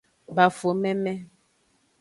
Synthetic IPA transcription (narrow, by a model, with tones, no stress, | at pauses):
ba˨fo˨mɛ˦mɛ˦